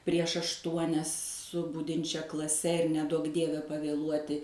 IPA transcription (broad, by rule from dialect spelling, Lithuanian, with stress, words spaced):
pʲrʲiɛʃ ɐʃˈtuɔnʲɛs sʊ ˈbʊdʲɪnʲt͡ʃʲɛ klˠɐˈsʲɛ ɪr nʲɛˈduɔk ˈdʲiɛʋʲɛ pɐʋʲeːˈlˠuɔtʲɪ